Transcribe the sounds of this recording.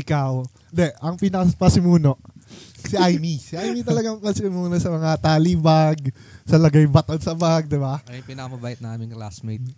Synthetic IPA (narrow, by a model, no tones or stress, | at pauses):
ʔɪkaw | nd̪ɛʔɐŋpinɐɐpɐsɪmuːno̞ | siʔajmisɪʔajmit̪ɐlɐɡaŋpɐsɪnmuːnosɐmɐŋat̪aːlibaɡsɐlɐɡajbɐt̪od̪sɐbaɡ̚d̪ɪbaʔɐjpɪnɐkɐmɐbaːjɪt̪nɐʔaːmɪŋkla̰smejt̪̚